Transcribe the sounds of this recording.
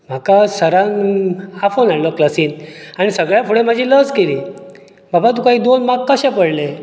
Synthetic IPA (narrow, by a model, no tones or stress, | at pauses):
m̤akasəɾanafonaɽlɔklasiːnaɽ̃isəɡɭjapʰuɽẽm̤ad͡ʑʱiːləd͡zkeliː | babat̪̬ukaɦiːd̪onmakːəɕɛ̃pəɽle